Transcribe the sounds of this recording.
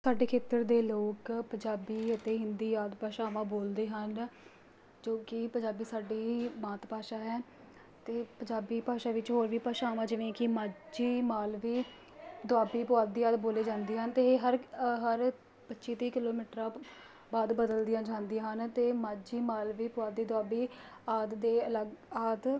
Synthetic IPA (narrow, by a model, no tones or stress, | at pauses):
saːɖeːkʰeːt̪əɾd̪eːloːkpəɲd͡ʒaːbiːət̪eːɦɪnd̪iːaːd̪paːʃãːʋãːboːld̪eːɦən | d͡ʒoːkɪpəɲd͡ʒaːbiːsaːɖeːmãːt̪paːʃaːɦɛː | t̪eːpəɲd͡ʒaːbiːpaːʃaːʋɪt͡ʃɦoːɾʋiːpaːʃaːʋãːd͡ʒɪʋẽːkɪmaːd͡ʒiːmaːlʋiː | d̪ʊaːbiːpʊaːd̪̚ːiːaːd̪boːleːd͡ʒãːnd̪eːɦənt̪eːɦəɾɦəɾ | pətːʃiːt̪iːkɪloːmiːʈɾãː | baːd̪bəd̪əld̪ɪjãːd͡ʒãːnd̪iaɦənt̪eːmaːd͡ʒiːmaːlʋiːpʊaːd̪iːd̪ʊaːbiːaːd̪d̪eːələɡaːd̪